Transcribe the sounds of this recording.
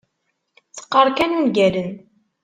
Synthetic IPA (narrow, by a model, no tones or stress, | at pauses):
t͡sːə̥qːəɾˤkænunɡælən